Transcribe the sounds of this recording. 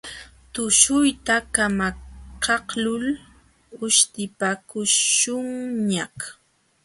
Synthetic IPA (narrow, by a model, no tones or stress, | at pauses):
t̪ʊʃʊjt̪akamakɑhlʊl | ʊʃt̪ɪpakʊʃʊŋɲah